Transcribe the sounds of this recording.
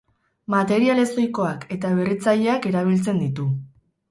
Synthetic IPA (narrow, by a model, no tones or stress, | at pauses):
mat̪e̞ɾiale̞so̞jko̞ake̞t̪aβ̞e̞ret͡saʎe̞ake̞ɾaβ̞ilt͡se̞nd̪it̪u